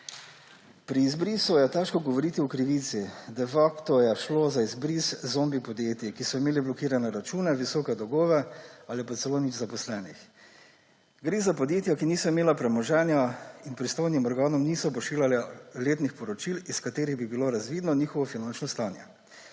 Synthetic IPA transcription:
pɾiːzbɾiːsujɛt̪ɛʃkɔɡɔʋɔɾit̪iɔkɾiʋiːt̪sid̪ɛfakt̪ɔjɛʃlozaizbɾiszoːmbipɔd̪jeːt̪ikisɔimeːliblɔkiːɾanɛɾat͡ʃuːnɛʋisɔːkɛd̪ɔɡoːʋɛalipat̪sɛloːnid͡ʒzapɔslɛnix | ɡɾeːzapɔd̪jeːt̪jakiniːsɔimeːlapɾɛmɔʒɛːnjainpɾist̪ojnimɔɾɡaːnɔmniːsɔp̬ɔʃiːljalɛleːt̪nixpɔɾɔt͡ʃiliskat̪eːɾiɣbibiloɾazʋid̪nɔniːxɔʋɔfinant͡ʃnɔst̪aːnjɛ̰

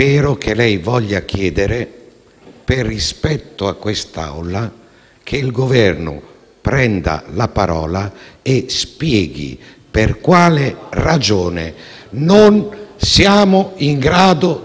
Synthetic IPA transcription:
ɛːɾʊkʰelɛjvɔʎːak̟ʰjɛːd̪eɾe | perːispɛt̪ːʊakːwest̪a̰wla | kʰeilɡovɛrnʊ̰ | pɾɛnd̪a̰lapaɾɔ̰ːlaespjɛːɡḭ | perkwaːlɪrad͡ʒoːnḛ | nonsjaːmʊiŋɡɾaːd̪ʊ

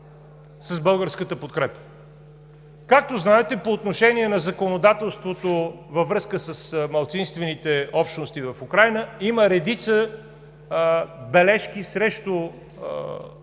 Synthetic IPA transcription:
səzbɤlˠɡəɾskət̪əpot̪̚kɾɛpə̥ | kak̚t̪oznaɛt̪ɛpoːt̪noʃɛniɛnɐzɐkonod̪at̪ɛlˠst̪vot̪ovɐvɾɤskəsəsmɐlˠt̪sinst̪vɛnit̪ɛɔpʃt̪nost̪ivɐfukɾajnəiməɾɛd̪it̪sə | bɛlɛʃk̟isɾɛʃt̪o

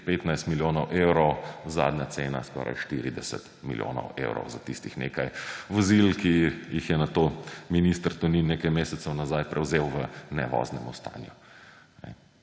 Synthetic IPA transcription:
peːt̪najst̪miljoːnɔwʔewɾɔwza̰ːd̪ɲjat̪seːnaskɔ̰ɾʔa̰jʃt̪iɾid̪ɛsɛ̰t̪miljo̰ːnɔ̰wḛwɾɔ̰wzat̪ist̪ixnḛːkajʋɔzilkijixjɛnat̪ominist̪əɾt̪ɔninnːekajmeːsɛt̪sɛwnazajpɾʔɛwzewʋənɛ̰ʋɔ̰znɛmust̪a̰ːnju | nɛ̰

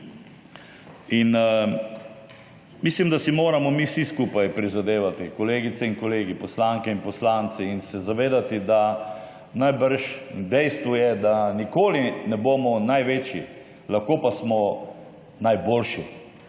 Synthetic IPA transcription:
in | mislimd̪asimoːɾamɔmisiskuːpajpɾizad̪eːʋat̪ikɔleːɡit̪sɛinkɔleːɡipɔslaŋkɛinpɔslaːnt̪sɛinsɛzaʋeːd̪at̪id̪a | najbəɾʃd̪ɛjst̪ʋujɛd̪anikoːlinɛboːmɔnajʋeːt͡ʃḭ | laxkoːpasmɔ | najboːlʃi

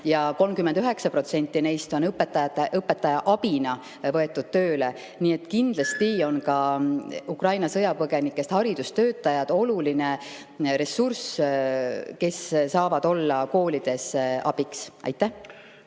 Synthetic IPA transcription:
jɑko̞lmkymːend̪yɦe̞ksɑpro̞t̪se̞nʲt̪ːˑine̞jst̪o̞nɤpːˑet̪ːˑɑjɑt̪ːˑeʔɤpːˑe̞t̪ːˑɑjɑʔɑb̥inɑ | vɤe̞t̪ːˑud̪̥̚t̪ø̞ːle̞ | niːe̞t̪kind̪̥lɑst̪io̞nkɑ | ukrɑjnɑsɤjɑpɤɡ̥e̞nikːˑest̪hɑɾid̪̥ust̪ø̞ːt̪ːˑɑjɑd̪̥o̞luline | ɾe̞sːurs | ke̞ssɑːvɑd̪̥o̞lːɑko̞ːlid̪̥e̞sɑ̰b̥iksʔɑ̰jt̪ːˑæ

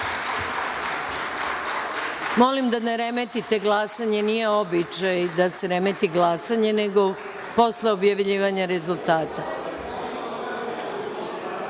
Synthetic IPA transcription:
mo̞limd̪aneɾemet̪it̪e̞ɡlasaɲe̞nije̞o̞bit͡ʃajd̪ase̞ɾe̞met̪iɡlasaɲe̞ne̞ɡo̞ | po̞sle̞o̞bjaʋʎiːʋaɲaɾe̞zulˠt̪aːt̪a

